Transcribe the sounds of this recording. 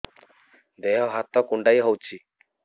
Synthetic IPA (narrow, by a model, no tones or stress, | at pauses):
d̪eɦɔɦat̪ɔkuɳɖajɦɔwt͡ʃʰi